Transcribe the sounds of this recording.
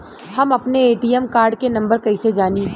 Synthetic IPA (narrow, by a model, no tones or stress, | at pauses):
hɐmɐpneeːʈiːjɛmkaːɾɖkenɐ̃mbəɾkɐised͡ʒaːni